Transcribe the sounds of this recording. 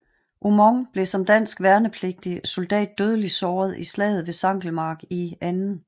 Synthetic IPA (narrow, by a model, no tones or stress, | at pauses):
ʔumɒŋb̥le̝sɒ̽md̥æn̰sɡ̥ʋæɐnəpʰle̝ɡ̥̚d̥iso̝ld̥ɛ̰ːd̥̚ːøð̞ˠəlisɒːð̞̩ˠislɛ̰ːð̞̩ˠʋe̝sɑ̈ŋ̰ɡ̥l̩mɑ̈ːɡ̥iænn̩